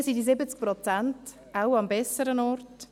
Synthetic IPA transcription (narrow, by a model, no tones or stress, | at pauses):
sidizɪbət͡sk̚pɾɔt͡sant | awɑmbɛsəɾənɔrt